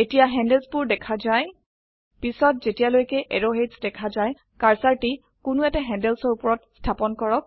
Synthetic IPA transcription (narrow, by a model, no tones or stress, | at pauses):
etijaɦɛndɛlsbʊɹdɛkʰazaj | pisɔt̚zetijalojkɛʔɛɹoɦesdɛkʰazaj | kaɹsaɹti | kʊnʊɛtɛɦɛ̃ndɛlsɔɹupɔɹɔtstʰapɔnkɔɹɔk̚